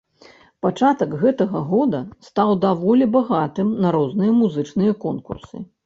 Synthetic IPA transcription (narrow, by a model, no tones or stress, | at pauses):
pat͡ʂat̪ɐkɣɛt̪ɐɣɐɣɔd̪ɐst̪awd̪avɔlʲɛbaɣat̪ɨmnɐɾɔznɨjɐmuzɨt͡ʂnɨjɐkɔnkṵrsɨ̰